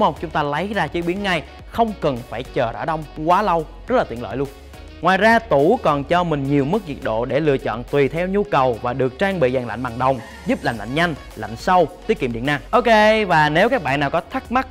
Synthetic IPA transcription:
ŋ͡mə˧wŋ͡mt͡ɕʊ˨˦ŋ͡mt̪aː˧lə˨˦jzaː˧t͡ɕi˨˦ɓi˨˦ənŋa˧j | xə˧wŋ͡mkə˨˩nfaː˧˩jt͡ɕəː˨˩ə̰ː˧˩ɗə˧wŋ͡mkwaː˨˦lə˧w | zə˦˥t̚laː˨˩t̪i˧˨ələ̰˧˨jlu˧ən | ŋwaː˨˩jzaː˧t̪u˧˩˦kɔ˨˩nt͡ɕɔ˧mï˨˩ŋ̟ɲi˨˩əwmɨ˦˥k̚ɲi˨˩t̚ɗo̰˧˨ɗe˧˩lɨ̰˧ət͡ɕɔ̰˧˨nt̪wi˨˩t̪ʰɛ˧wɲu˧kə˨˩wvaː˨˩ɗɨ˨˩ək̚t͡ɕaː˧ŋɓḭ˧˨zaː˨˩ŋla̰˧˨jŋ̟ɓaː˨˩ŋɗə˨˩wŋ͡m | zu˦˥p̚laː˨˩mla̰˧˨jŋ̟ɲa˧jŋ̟ | la̰˧˨jŋ̟sə˧wt̪wi˨˦˥kːi˧˨˩mɗḭ˧˨ənːaː˧˩ŋʔo˧wke˧vaː˨˩ne˨˦wkaː˦˥k̚ɓa̰ː˧˨nːaː˨˩wkɔ˨˦t̪ʰa˦˥k̚ma˦˥k̚

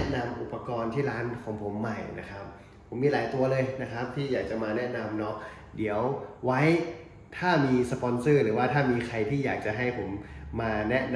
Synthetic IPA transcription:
na˧mʔu˨˩pːa˧kɔː˧nt̪ʰiː˥˩ɾaː˦˥nkʰɔː˩˦ŋpʰo˩˦mːa˧˩jnʔa̰˦˥kʰa˦˥p̚ | pʰːo˩˦mːiː˧laː˩˦jt̪u˧ɐlɤː˧jna˦˥kʰa˦˥p̚t̪ʰiː˥˩jaː˨˩k̚t͡ɕa˨˩maː˧nɛ˦˥ʔna˧mnɔ˦˥ʔ̚ | di˩˦əwwa˦˥j | t̪ʰaː˥˩miː˧sa˧pɔː˧nsɯː˥˩ɾɯː˩˦waː˥˩t̪ʰaː˥˩miː˧kʰa˧jt̪ʰiː˥˩jaː˨˩k̚t͡ɕa˨˩ɦa˥˩jpʰo˩˦mːaː˧nɛ˦˥ʔn

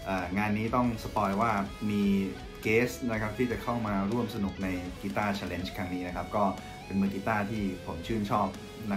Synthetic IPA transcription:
ʔaː˨˩ŋaː˧nːiː˦˥t̪ɔ˥˩ŋsa˧pɔː˧jwaː˥˩miː˧ | keː˦˥sna˦˥kʰa˦˥p̚t̪ʰiː˥˩t͡ɕa˨˩kʰa˥˩wmaː˧ɾu˥˩əmsa˧nu˨˩k̚na˧jki˧t̪aː˥˩t͡ɕʰa˧le˧˥nt͡ɕkʰɾa˦˥ŋniː˦˥na˦˥kʰa˦˥p̚kɔː˥˩ | pe˧nmɯ˧ki˧˥t̪aː˥˩t̪ʰiː˥˩pʰo˩˦mt͡ɕʰɯː˥˩nt͡ɕʰɔː˥˩p̚ | na˦˥

